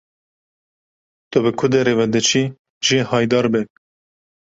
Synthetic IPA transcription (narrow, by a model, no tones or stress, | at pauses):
t̪ʊbɨkʰʊd̪eɾevɛd̪ɨt͡ʃʰi | ʒihɑːjd̪ɑːɾbɛ